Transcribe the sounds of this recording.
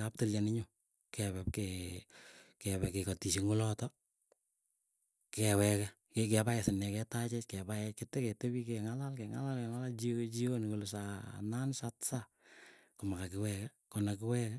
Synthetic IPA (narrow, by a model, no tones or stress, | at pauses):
kap̚toljanɪɲʊ | kɛβɛpkɛ | kɛbɛkekatiʃiŋʊlɔtɔ | kɛwɛkɛ | kekɛpajɛsɪnːɛkɛtat͡ʃɛtkɛbajɛketɛkɛtebikɛŋalalkɛŋa̰lalkɛŋalat͡ʃit͡ʃionkolʊsa̰nansatsa | kʊmakakɪwɛkɛ | konakɪwɛkɛ